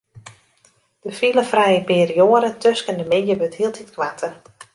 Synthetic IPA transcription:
d̥əfiləfrɛjəpɪːrioəɾətøskəndəmejəbøthiəlˠtʰitkʋatʰər

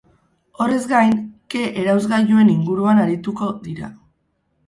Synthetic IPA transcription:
o̞re̞zɡajnke̞ʔeɾawzɣaʝue̞niŋɡuɾuanaɾit̪uko̞ðiɾa̰

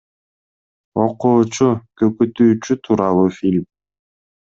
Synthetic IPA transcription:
oquːt͡ʃukøkyt̪yːt͡ʃyt̪ʰuɾɑlˠuːfʲilʲm

